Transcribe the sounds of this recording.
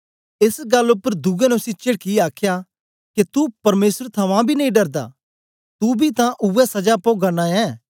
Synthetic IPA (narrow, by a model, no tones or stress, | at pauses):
ɪsɡɐlːʊpːəɾd̪uɡɛnɛʊsit͡ʃeɽkiaːkʰja | ket̪upɐɾmeːsəɾt̪ʰɐmãbʱinɐĩɖɐɾd̪a̰ː | t̪ubʱit̪ãʔʊːɛsɐd͡ʒapoːɡanaɛ̃ː